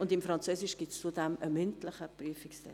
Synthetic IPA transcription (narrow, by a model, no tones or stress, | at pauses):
ʊndɪmfɾɑnt͡søːsɪʃɡ̥itst͡sudɛməmʏntləχəpryəfɪkstɛ̰